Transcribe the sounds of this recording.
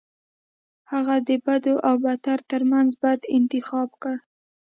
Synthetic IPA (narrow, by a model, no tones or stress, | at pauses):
haɣad̪əbad̪oʔawbat̪aɾt̪əɾmanzbajd̪ɪnt̪ɪxɑbkəɽ